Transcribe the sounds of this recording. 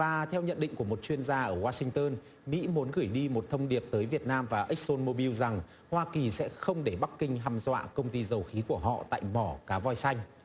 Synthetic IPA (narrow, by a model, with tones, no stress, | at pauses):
vaː˨˩t̪ʰɛ˧wɲə̰˧˨nɗḭ̈˧˨ŋ̟ku˧˩əmo˨˩t̚t͡ɕwi˧ənzaː˧ʔəː˧˩waː˧sï˧ŋ̟t̪əː˧n | mḭ˧˥mu˨˦nɣɨ˧˩jɗi˧mo˨˩t̚t̪ʰə˧wŋ͡mɗi˨˩əp̚t̪əː˨˦jvi˨˩ət̚naː˧mvaː˨˩ʔə˦˥k̚so˧nmo˧ɓi˧wza˨˩ŋ | hwaː˧ki˨˩sɛ̰˧˥xə˧wŋ͡mɗe˧˩ɓa˦˥k̚ːï˧ŋ̟ɦaː˧mzwa̰ː˧˨kə˧wŋ͡mt̪i˧zə˨˩wxi˨˦ku˧˩əɦɔ̰˧˨t̪a̰ː˧˨jmɔ˧˩kaː˨˦vɔ˧jsa˧jŋ̟